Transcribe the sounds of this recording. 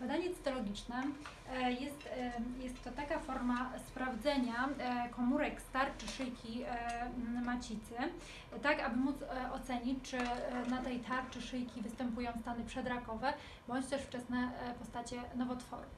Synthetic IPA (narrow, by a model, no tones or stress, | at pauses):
bad̪aɲɛt̪sɘ̥t̪ɔlɔɡʲit͡ʂnɛ | jɛst̪jɛst̪ːɔt̪akafɔɾmaspɾavd̪zɛɲakɔmuɾɛkst̪aɾt͡ʂɘʂɘjkʲi | mat͡ɕit̪sɘ | t̪akabɘmut̪sɔt̪sɛɲit͡ɕt͡ʂɘnat̪ɛjt̪ʰaɾt͡ʂɘʂɘjkʲivɘst̪ɛmpujɔ̃w̃st̪anɘpʂɛd̪ɾakɔvɛ | bɔɲt͡ɕt̪ɛʂft͡ʂɛsnɛpɔst̪at͡ɕɛnɔvɔt̪fɔ̰ɾu